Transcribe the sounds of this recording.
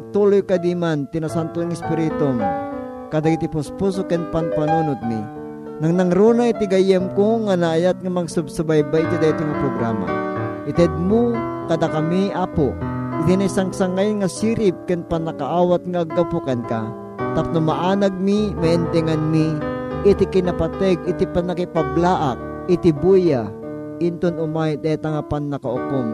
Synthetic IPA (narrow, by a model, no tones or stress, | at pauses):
t̪uːlojkad̪imant̪inasant̪oŋɛspɪɾit̪om | kɐd̪aɡit̪ipʊspus̬okɛnpanpanuːnʊt̪̚mḭ | nɐŋnɐŋɾunaɪt̪iɡajɛmkoŋanaːjat̪̚ŋɐmɐŋsʊbsabajbajt̪id̪ɐit̪oŋɐpɾoɡɾa̰ːma̰ʔɪt̪ɛd̪̚mʊkɐd̪akɐmiʔaːpoʔɪt̪inɐisaŋsɐŋajŋɐsiːɾɪp̚kɪnpɐnɐkaʔaːwat̪̚ŋaʔːɡ̚ːɐpukɐnka | t̪ap̚nʊmɐʔaːnɐɡ̚mimɐʔɛnt̪ɛŋanmiʔɪt̪ikɪnɐpat̪ɛɡɪt̪ipanɐkɪpɐblaʔak̚ | ɪt̪ɪbuja | ʔɪnt̪onʊmajd̪at̪aŋapannɐkaokon